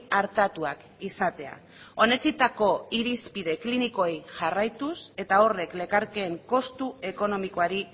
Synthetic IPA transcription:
aɾt̪at̪uak | isat̪e̞a̰ | o̞ne̞t͡sit̪ako̞iɾispiðe̞kliniko̞ejʝarajt̪use̞t̪ao̞re̞kle̞kaɾke̞ːŋko̞st̪ue̞ko̞no̞miko̞aɾi

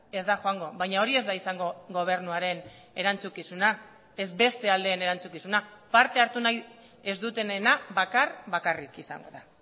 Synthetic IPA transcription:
e̞zd̪axoaŋɡo̞βajɲao̞ɾie̞zðaisaŋɡo̞ɡo̞β̞e̞ɾnuaɾe̞n | e̞ɾant͡sukisuna | e̞zbe̞st̪e̞ald̪eːne̞ɾant͡sukisunapaɾt̪e̞aɾt̪unaj | e̞zd̪ut̪e̞nenaβakarβakarikisa̰ŋɡo̞̰ða

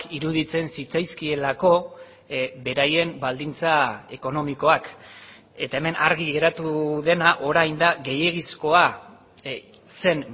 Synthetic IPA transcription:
kiɾuðit͡se̞nsit͡sajskie̞lako̞ | be̞ɾaje̞mbald̪int͡sae̞ko̞no̞miko̞ak | e̞t̪ae̞me̞nʔaɾɣiɣe̞ɾat̪uðe̞naʔo̞ɾajnd̪aɣe̞je̞ɣisko̞a | se̞n

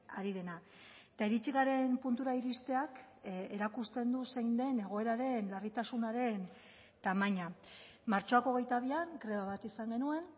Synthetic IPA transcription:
aɾið̞e̞na | t̪aeɾit͡ʃiɣaɾe̞mpunt̪uɾaiɾist̪e̞ak | eɾakust̪e̞nd̪usejnd̪e̞ne̞ɣ̞o̞e̞ɾaɾe̞nlarit̪asunaɾe̞n | t̪amaɲa | maɾt͡ʃo̞ako̞ɣe̞jt̪aβ̞iaŋkɾe̞βaβ̞at̪isaŋɡe̞nue̞n

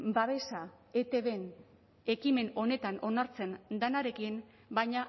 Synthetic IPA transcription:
baβ̞e̞sa | e̞t̪e̞βe̞n | e̞kime̞no̞ne̞t̪ano̞naɾt͡se̞nd̪anaɾe̞kin | bajɲa

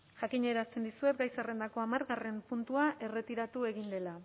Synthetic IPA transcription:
ʝakiɲe̞ɾast̪e̞nd̪isue̞t̪ɡajsare̞nd̪ako̞amaɾɣare̞mpunt̪uaʔe̞re̞t̪iɾat̪ue̞ɣind̪e̞la

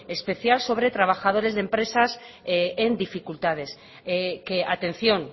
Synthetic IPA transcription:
e̞spe̞θjalso̞β̞ɾe̞t̪ɾaβ̞axað̞o̞ɾe̞zðe̞mpɾe̞sas | end̪ifikult̪að̞e̞s | keat̪ẽ̞n̟θjo̞n

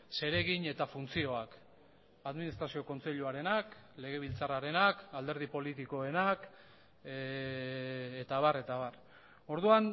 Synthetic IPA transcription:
se̞ɾe̞ɣiɲe̞t̪afunt͡sio̞ak | aðminist̪ɾasio̞ko̞nt͡se̞ʎuaɾe̞nakle̞ɣ̞e̞β̞ilt͡saraɾe̞nakald̪e̞ɾð̞ipo̞lit̪iko̞e̞nak | et̪aβ̞are̞t̪aβar | o̞ɾðuan

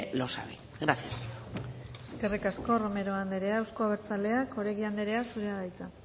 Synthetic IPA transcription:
losa̰βḭ | ɣɾaθias | eske̞rikasko̞rome̞ɾo̞and̪eɾe̞aːwsko̞aβ̞e̞ɾt͡sale̞ako̞ɾekiand̪eɾe̞asuɾeaðajt͡sa

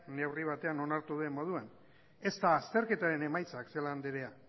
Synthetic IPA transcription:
ne̞wriβ̞at̪e̞ano̞naɾt̪uðue̞mo̞ð̞uan | e̞st̪aːst̪e̞ɾke̞t̪aɾe̞ne̞majt͡sakseland̪eɾe̞a

